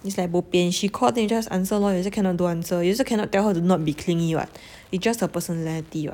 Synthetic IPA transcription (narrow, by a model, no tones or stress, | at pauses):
itslaɪjk̚bopiɛ̃nʃikʰɔldɛ̃mjud͡ʒasã̰nsəlɔjus̬əkʰɛ̃nɔt̚duãnsəjusəkʰɛ̃nɔt̚tːɛlhətunɔt̚bikʰlĩŋiwa̰t̚ | isd͡ʒashəpəsənɛlitiwa̰